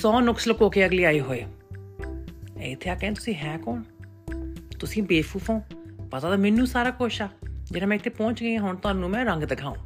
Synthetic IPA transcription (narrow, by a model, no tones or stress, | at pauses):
sɔːnʊkslkoːkeːəɡliːaːiːɦoːeː | ɛɪt̪ʰːeːaːkɛ̃ːt̪ʊ̥sĩːɦɛ̃ːkoːɳ | t̪ʊsĩːbeːpʰuːpʰãõːpət̪aːd̪aːmɪnːũːsaːɾaːkoʃaːd͡ʒeːɽaːmɛ̃ːɪt̪ʰːeːpɔ̃ːt͡ʃɡəiãːɦʊɳt̪ʊaːnũːmɛ̃ːɾəŋɡd̪ɪkʰaːṵ̃ː